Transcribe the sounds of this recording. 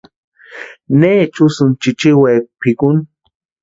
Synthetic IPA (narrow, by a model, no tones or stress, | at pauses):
neːt͡ʃʊsʊnt͡ʃit͡ʃiweːpɪkʊn